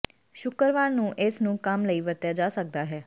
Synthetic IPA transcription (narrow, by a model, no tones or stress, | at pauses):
ʃʊkəɾʋaːnnũːʔɪsnũːkəmləiːʋəɾt̪jaːd͡ʒaːsək̚d̪aːɦɛː